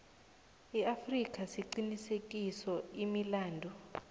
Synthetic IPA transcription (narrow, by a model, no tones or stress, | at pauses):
iafrik̬ʼasiǃinisek̬ʼisɔimilaːndʱu